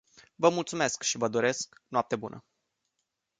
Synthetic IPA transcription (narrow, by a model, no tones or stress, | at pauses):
vəmult̪sume̞skʃivəd̪o̞ɾe̞sknoap̚t̪ebunə̰